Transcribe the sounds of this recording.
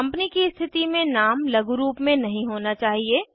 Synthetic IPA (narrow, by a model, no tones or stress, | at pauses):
ɐ̃mpənikist̪ʰɪt̪imẽnaːmlɐɡuɾuːpmẽnɐɦĩɦoːnat͡ʃaːɦieː